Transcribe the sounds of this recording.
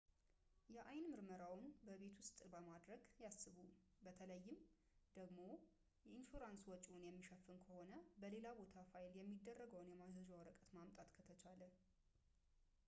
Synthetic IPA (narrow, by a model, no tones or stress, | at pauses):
jɛʔajnmɨɾməɾawʊnbəβe̞t̪ʰwʊst̪ʼbəmad̪ɾəɡjasːɨβu | bət̪ʰələjːɪm | d̪̥əɡmo | jɛinfuɾanswɔt͡ʃʼunjɛmːiʃəfːɨnkʰəho̞nəbəle̞labo̞t̪ʰafajɪljɛmːid̪ːərːəɡəwnjɛmad͡ʒəd͡ʒawɔɾəkʼət̪mamt̪ʼat̪kʰət̪ʰət͡ʃʰalə